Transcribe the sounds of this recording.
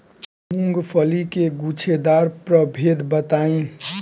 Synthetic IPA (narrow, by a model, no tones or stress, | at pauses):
muŋɡpʰəlikeɡut͡ʃʰed̪aɾpɾəbʱed̪bət̪aĩ